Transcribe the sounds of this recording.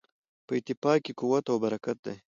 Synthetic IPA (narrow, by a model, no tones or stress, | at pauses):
pəɪt̪ɪfɑːkːikuwat̪awbɐɾakat̪̚d̪ḛj